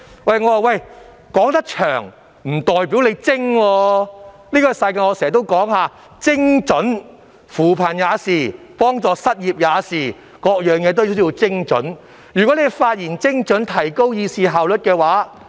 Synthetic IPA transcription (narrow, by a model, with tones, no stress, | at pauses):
wɐ˥˨jŋɔː˨˧waː˨wɐ˥˨j | kɔː˨˥ŋt̪ɐ˥k̚t͡ʃʰœː˨˩ŋ | m̩˨˩t̪ɔː˨˩jpi˨˥wle˨˧jt͡sɪ˥ŋwɔː˧ | liː˥kɔː˧˥sɐ˧jka˧ŋɔː˧sɛː˨˩˨t̪o˥wkɔː˨˥ŋhaː˨˧ | t͡sɪ˥ŋt͡ʃɵ˨˥n | fuː˨˩pʰaː˨˩njaː˨˧siː˨˩ | pɔː˥ŋt͡sɔː˧sɐ˥t̚jiː˨p̚jaː˨˧siː˨˩ | kɔː˧k̚jœː˨˩ŋjɛː˨˧t̪̬o˥jsjiː˧wt͡sɪ˥ŋt͡ʃɵ̰˨˥n | jyː˨kɔ˨˥ne˨˧jfaː˧t̚jiː˨˩nt͡sɪ˥ŋt͡ʃɵ˨˥nt̪ʰɐ˨˩jko˥wjiː˧siː˨ɦaː˨wlɵ˨t̚kɛː˧waː˨˥